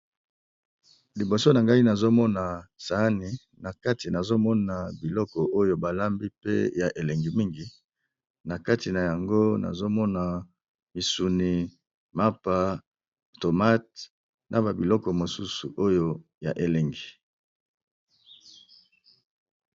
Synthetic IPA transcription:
li˨bo˨so˦na˨ŋɡa˦i˦na˨zo˦mɔ˦na˨sa˨˦ni˨ | na˨ka˦ti˨na˨zo˦mɔ˦na˨bi˨lɔ˦kɔ˨o˦jo˦ba˨la˦mbi˦pḛ˦ja˨ʔe˨le˨ŋɡi˨mi˦ŋɡi˨ | na˨ka˦ti˨na˨ja˨ŋɡo˦na̰˨zo˦mɔ˦na˨ | mi˨su˨ni˨ | ma˦pa˦˨ | to˨ma˦t̚ | nʔa˨ba˨bi˨lɔ˦kɔ˨mo˨su˦su˨ʔo˦jo˦ja̰˨ʔe˨le˨ŋɡi˨

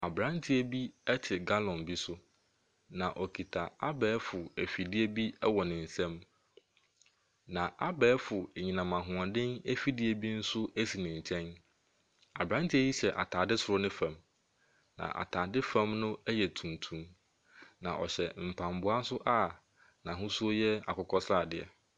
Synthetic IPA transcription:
a˨bɾã˦ntʰɪ˦æ˦bi˦ɛ˦tʰɪ˨ɡa˦lɔ̃˨nbi˦sʊ˦ | nã˨ʔɔ˨kʰi˨tʰa˨a˦bɛː˨˦fʊ˨æ˨fi˨dɪ˦e˦bi˦ɛ˦wɔ˨nɪ̃˨n̩˨sɛ̃˦m | nã˨ʔa˦bɛː˦fʊ˨e˨ɲĩ˨nã˨mã˨ɦʊ̃˨a˨dɪ̃˦næ˦fi˦dɪ˦e˨bi˦n̩˦sʊ˦æ˦si˨nɪ̃˨ɲ̩˨t͡ɕʰɛ̃˦n | a˨bɾã˦n˦tʰɪ˦æ˦ji˦ɕɛ˨ʔa̰˨tʰaː˨dɪ˦sʊ˨ɾʊ˦nɪ̃˦fã˨m | nã̰˨ʔa̰˨tʰaː˨dɪ˦fã˦mnʊ̃˦ɛ˦jɛ˨tʰũ˨ntʰũ˦m | nã̰˨ʔɔ˨ɕɛ˨m̩˨pʰã˨mbʊ˨˦a˦n˦sʊ˦ʔa˦˨ | nã˨ɦʊ̃˦su˦o˦jɛ˦a̰˨kʊ˦kʰɔ˦sɾa˨dɪ˨ɛ̰˨

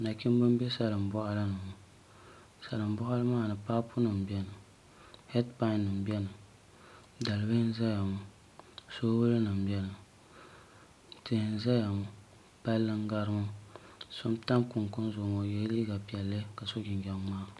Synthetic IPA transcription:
na˨kʲɪ˦m˦bɨ˦m˦bɛ˦sa˨lɨ˨m˨bɔ˦ʔa˦lɨ˦nɨ˨mʊ˨ | sa˨lɨ˨m˦bɔ˦ʔa˦lɨ˦maː˦˨nɨ˨paː˦pʊ˦nɨ˨m˨bjɛ˦nɨ˨ | hɛ˦dpa˦˨nːɨ˨m˨bɛ˦nɨ˨ | da˨lɨ˨bɨ˦hn˦za˦ja˨mʊ˨ | soː˦wʊ˦lɨ˦nɨ˨m̩˨bjɛ˦nɨ˨ | tɨ˨hɨ˨n˦za˦ja˨mʊ˨ | pa˦lːɨ˦ŋ˦ɡa˦ɾɨ˦mu˦so˦mta˦ŋkʊ˨ŋkʊ˦n˦zʊ˨ŋo˨jɛ˦liː˦ɡa˨pɛ˨lːɨ˦ka˨so˦ɡʲɪ˨ŋ˨ɡʲɛ˦maː˦˨

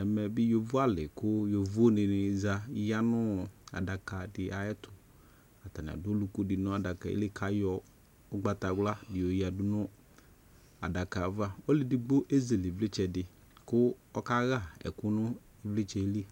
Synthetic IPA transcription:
ɛ˨mɛ˨bɪ˦jo˨vu˦a˦lɪ˨kʊ˦jo˨vu˦o˦nɪ˨nɪ˨za˨˦ja˦nʊ˦a̰˨da˨ka˨dɪ˨ʔa˨jɛ˦tʰʊ˨ | a˨ta˨nɪ̰˨a̰˨dʊ˦o˦lu˨ku˦dɪ˨nʊ˦a˨da˨ka˨ḛ˦lɪ˦kʰa˨jɔ˦ | ʊ˦ɡ͡ba˦ta˨ɡʷla˦dɪ˨o˨ja˨dʊ˦nʊ˦ | a̰˨da˨ka˨va˦ɔ˦lɪ˨dɪ˨ɡ͡bo˦ʔe˦ze˨lɪ˨vlɪ˦t͡ʃɛ˨dɪ˨ | kʊ˦ɔ˦ka˦ɣa˦˨ɛ̰˨kʊ˦nʊ˦ | i˦vlɪ˦t͡ʃɛ˨˦li˦

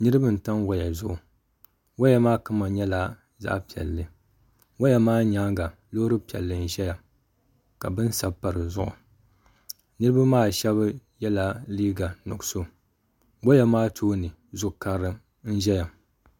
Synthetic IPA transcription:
nɨ˦ɾɨ˦bɨ˦n̩˨ta˦nwa˦ja˨zʊ˦ʔʊ˨ | wa˦ja˦maː˦ka˦ma˨ɲɛ˦la˦ | za̰˦ʔpi˨ɛ̰˨lːɨ˦ | wa˦ja˨maː˦ɲa˦ŋɡa˨ | loː˦ɾɨ˦pi˨ɛ̰˨lːɨ˨n̩˦ʒɛ˦ja˨ | ka̰˨bɨ˦n˦sa˨bpːa˨ɾɨ˨zʊ˦ʔʊ̰˨ | nɨ˦ɾɨ˦ba˦maː˦˨ʃɛ˦βjɛ˦la˦liː˦ɡa˨nʊ̰˨ɡso˦ | wa˦ja˨maː˦tʰoː˦nɨ˨ | zʊ˦˨ka˦ɾɨ˦ | n̩˦ʒɛ˦ja˨

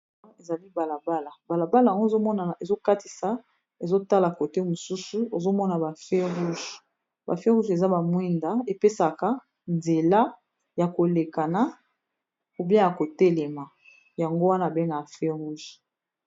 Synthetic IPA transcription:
e˨za˨li˦ba˨la˨ba˦la˨ba˨la˨ba˦la˨a˨ŋɡo˦˨zo˦mɔ˦na˨e˨zo˦ka˦ti˨sa˦ | e˨zo˦ta˦la˨ko˨te˦mo˨su˦su˦o˨zo˦mɔ˦na˨ba˨fe˦ʁu˦ʒ | ba̰˨fe˦ʁu˦ʒe˨za˦ba˨mwɛ˦nda˨e˨pe˦sa˨ka˦ | nze˨la˦ | ja˨ko˨le˨ka˨na˨˦ | ku˨be˦ja˨ko˨tɛ˦lɛ˨ma˨ | ja˨ŋɡo˦wa˦na˦˨be˦ŋɡa˨fe˦ʁu˦ʒ

